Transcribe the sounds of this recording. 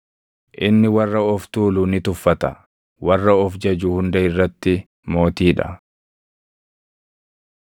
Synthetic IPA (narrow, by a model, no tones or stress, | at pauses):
ʔɪnːɪwɐrːɐɔft̪uːluːnɪt̪ʊfːɐt̪ɐ | wɐrːɐɔfd͡ʒɐd͡ʒuːhʊnd̪ɐɪrːɐt̪ːɪ | mo̞ːt̪iːᶑɐ̰